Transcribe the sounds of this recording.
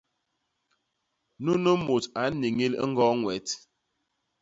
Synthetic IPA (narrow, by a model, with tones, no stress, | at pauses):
nu˦nə˦mo˨ta˨˦ni˨ŋi˦lŋ̩˦ɡɔ˦ŋwɛ˨t